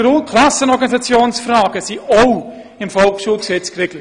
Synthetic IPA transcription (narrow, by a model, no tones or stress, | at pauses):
rukʰlasənɔɾɡɑnisat͡sjoːnsfrɑːɡ̥əsioʊ | ɪmfɔlkʃuːlˠksɛt͡skreɡlə